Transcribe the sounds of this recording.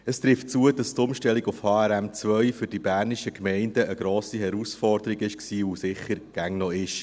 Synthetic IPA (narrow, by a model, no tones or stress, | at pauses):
əst̪ɾɪft̚t͡suədɑstʊmʃtɛliɡʊfhɑːæɾæmt͡sʋœʏfʏɾd̥ibæːɾniʃəkmɛɪndəʔəɡ̥ɾoːsiɦɛɾusfɔrd̥̪əɾiɡɪʃksiːusɪχːəɾɡ̥æŋnɔɪʃ